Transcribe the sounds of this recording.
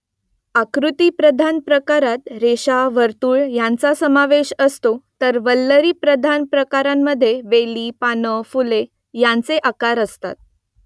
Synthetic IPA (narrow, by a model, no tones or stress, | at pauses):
akɾut̪ipɾəd̪ʱanpɾəkaɾat̪ɾeɕaʋəɾt̪uːɭjãnt͡sasəmaʋeɕəst̪ot̪əɾʋəlːəɾiːpɾəd̪ʱanpɾəkaɾamːəd̪ʱːjeʋeliːpanəfule | jãnt͡seʔakaɾəst̪a̰t̪̚